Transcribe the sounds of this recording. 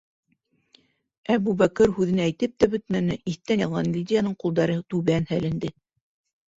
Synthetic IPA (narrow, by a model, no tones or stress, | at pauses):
æbuβækɘɾhʉðɘ̆nææjt̪ɘp̚t̪æbɵ̆t̪̚mænɘʔiθt̪ːænjɑlˠʁɑnlʲid̪ʲɪjanɤɴqulˠd̪ɑɾɤt̪ʉβænhælɘ̆nd̪ɘ